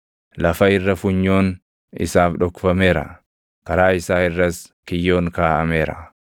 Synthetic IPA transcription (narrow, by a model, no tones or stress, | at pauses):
lɐfɐɪrːɐfʊɲːo̞ːn | ɪ̰saːfᶑɔkːʊfɐme̞ːɾɐ̰ | kɐɾaːɪsaːɪrːɐskɪjːo̞ːŋkaːʔɐme̞ːɾɐ̰